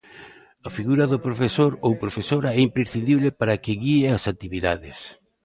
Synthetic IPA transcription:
ɐfiɣuɾɐðʊpɾofesoɾowpɾofesoɾaɛimpɾesθind̪iβlepaɾakɪɣieasat̪iβiðaðɪs

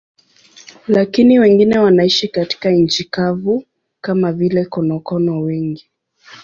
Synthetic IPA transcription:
lakiniwɛŋɡinɛwanaiʃikati̥kaɲ̩t͡ʃikavu | kamavilɛkɔnɔkɔnɔwɛŋɡi

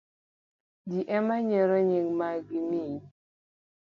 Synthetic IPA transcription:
d͡ʒiʔɛmaɲɛɾɔɲiŋmaɡimiɲ

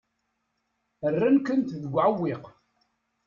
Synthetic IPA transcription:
ərːænkənt̪ðəɡʷʕəwːiq

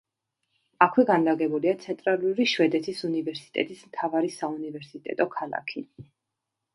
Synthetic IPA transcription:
akʰwɛɡanlaɡɛbuliat̪sʰɛnt̪ʼɾalˠuɾiʃwɛd̪ɛt̪ʰisunivɛɾsi̥t̪ʼɛ̰t̪ʼismt̪ʰavaɾisaunivɛɾsit̪ʼɛ̰t̪ʼɔkʰalˠa̰kʰi

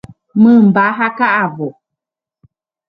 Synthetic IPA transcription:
mɨ̃m̩baɦakaʔavo

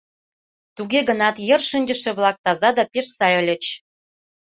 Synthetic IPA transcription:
t̪uɡeɡə̆nɑt̪jə̆rʃɨnʲd͡ʑə̆ʃĕβlˠɑk̚t̪ɑzɑd̪ɑpeʃsɑjə̆lʲə̆t͡ɕ

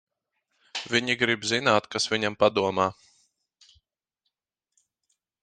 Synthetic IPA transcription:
vʲiɲiɡɾibzinaːt̪kasviɲampad̪uɔmaː

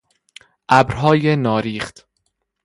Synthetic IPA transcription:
ʔæbɾɦɒːjenɒːɾiːχt̪

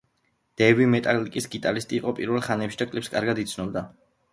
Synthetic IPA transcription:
d̪̥ɛvimɛt̪ʼalikʼisɡit̪ʼalist̪ʼiːqʼɔpʼiɾvɛlˠχanɛpʃid̪akʼlipskʼaɾɡad̪it̪sʰnɔbd̪a

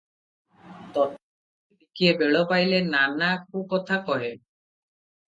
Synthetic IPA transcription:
t̪ɔt | ikiebeɭɔpajlenanak̚ukɔt̪ʰakɔɦe

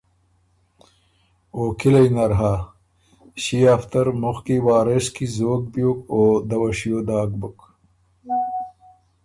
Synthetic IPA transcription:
oːkilɐjnɐɾɦaː | ɕiaft̪ɐɾmuxkiwaːɾeskizoːɡ̚bjoːkoːd̪ɐwɐɕijoːd̪aːɡ̚buk

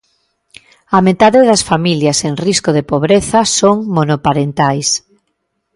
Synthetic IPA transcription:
amet̪aðeðɐsfamiljaseŋriskoðepoβ̞ɾeθɐsoŋmonopaɾent̪ajs

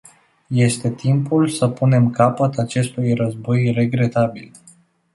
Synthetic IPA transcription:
je̞st̪e̞t̪impulsəpune̞mkapət̪at͡ʃe̞st̪ujrəzbo̞jre̞ɡɾe̞t̪abil

